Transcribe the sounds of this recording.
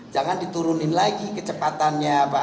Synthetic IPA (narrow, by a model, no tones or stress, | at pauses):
d͡ʒaŋandit̪uɾunɪnlaɡikət͡ʃəpat̪anɲaːpa